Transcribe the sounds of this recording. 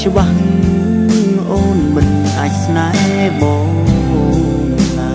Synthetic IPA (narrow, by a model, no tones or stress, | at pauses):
t͡ɕə̆ɓahnɨ | ʔoːnmɨn | ʔaːc̚snaɛ | ɓɑː | ʔoː | na